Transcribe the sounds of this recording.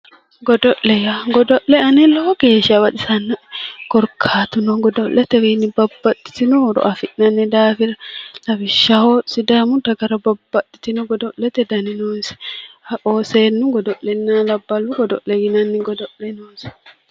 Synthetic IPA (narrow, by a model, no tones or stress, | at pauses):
ɡɔdɔʔlɛjaɡɔdɔʔːɛanɛlɔɡeːʃawaɗisanːaɡ̥ɔɾkʰːaːt̪unɔɡɔdɔʔlɛt̪ɛwinibabːaɗi̥t̪inɔɾɔ̰ʔafiʔnanːɛdaːfiɾalabiʃahɔsidamutaɡɐɾababːaɗit̪inɔɡɔdɔʔːɛt̪ɛdaninɔnsɛ̥aʔɔːsɛnːuɡɔdɔʔlɛnːalabːaluɡɔdɔ̰ʔɛjinanːiɡɔdɔʔːɛnɔːnsɛ̥